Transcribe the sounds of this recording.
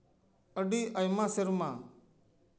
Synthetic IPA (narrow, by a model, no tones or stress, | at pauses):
əɖiːʔəjmãːsɪɾmãː